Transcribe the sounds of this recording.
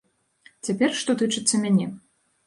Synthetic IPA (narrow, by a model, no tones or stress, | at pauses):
t͡sʲapʲɛrʂt̪ɔt̪ɨt͡ʂɨt̪sːɐmʲanʲɛ